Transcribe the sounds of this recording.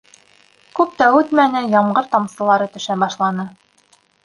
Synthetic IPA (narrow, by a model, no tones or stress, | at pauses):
kʉp̚t̪æʉt̪mænɘjɑɴɢɤɾt̪ɑmsɤ̆lˠɑɾɤt̪ɵ̆ʃæbɑʃlˠɑnɤ